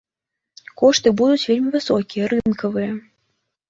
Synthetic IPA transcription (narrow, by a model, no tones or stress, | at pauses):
kɔʂt̪ɨbud̪ut͡sʲvʲelʲmʲivɨsɔkʲijɐɾɨnkɐvɨjɐ